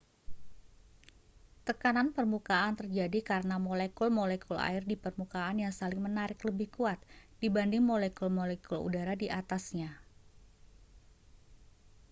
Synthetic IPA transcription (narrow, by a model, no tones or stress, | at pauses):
t̪əkananpərmukaant̪ərd͡ʒadikaɾənamɔlɛkulmɔlɛkʰula̰ɪrdipərmukaːnjaŋsalɪŋmənaɾɪkləbɪhkuat̪̚d̥ibandɪŋmolɛkulmɔlɛkulṵdaɾadiʔat̪asɲa